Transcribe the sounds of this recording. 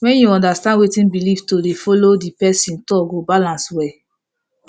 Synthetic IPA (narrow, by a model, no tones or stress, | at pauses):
wɛ̃njuɔ̃ndastãndwetĩnbilivtodefɔlodipɛsĩntɔɡobalãnswɛ